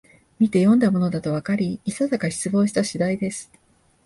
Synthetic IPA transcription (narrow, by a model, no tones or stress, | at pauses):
mʲit̪e̞jõ̞nd̪amo̞no̞d̪at̪o̞β̞akaɾʲiːsazakaçi̥t͡sɨbo̞ːɕi̥t̪aɕid̪aid̪e̞sɨ̥